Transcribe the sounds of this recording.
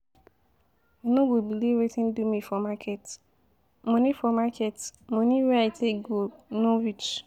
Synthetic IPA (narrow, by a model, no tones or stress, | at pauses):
onõɡobiliɾetĩndumĩfɔmakʰet | mõnĩfɔmakʰetmõnĩɾatʰeɡonɔvit͡ʃ